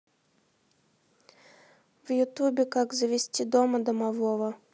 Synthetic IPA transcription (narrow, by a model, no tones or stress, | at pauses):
vjʊt̪ubʲɪkaɡzəvʲɪsʲtʲid̪oməd̪ɐmavɔvɐ